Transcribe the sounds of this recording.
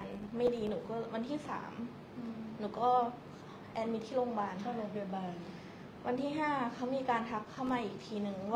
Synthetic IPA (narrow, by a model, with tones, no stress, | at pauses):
nma˥˩jdiː˧nuː˩˦kɔː˥˩wa˧nt̪ʰiː˥˩sa̰ː˩˦m | nuː˨˩˦kɔː˥˩ | ʔɛː˧mi˧t̪ʰiː˥˩loː˧ŋbaː˧n˥˧lo˧du˧˩˨baː˧n | wʔa˧nt̪ʰiː˥˩ɦaː˥˩kʰa˦˥wmiː˧kaː˧ntʰa˧˦˥kʰːa˥˩wmaː˧ʔiː˨˩k̚t̪ʰiː˧nɯ˧ŋw